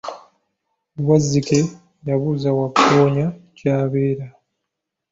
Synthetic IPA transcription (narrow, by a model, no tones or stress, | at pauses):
wazːike̞ | jaβuzawaktoːɲacaːβeːɾa